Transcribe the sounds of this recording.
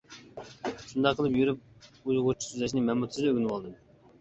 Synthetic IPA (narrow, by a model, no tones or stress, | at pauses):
ʃund̪ɑqʰːəlˠɨpjyɾyp̚ujʁʊt͡ʃʰi̥syzɛʃ̬nɪmɛmut̪ʰszd̪øɡʲnɨwɑlˠd̪ɨm